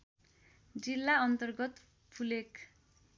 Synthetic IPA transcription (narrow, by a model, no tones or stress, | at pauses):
d͡zilːaʌnt̪ʌrɡʌt̪ | pʰulekʰ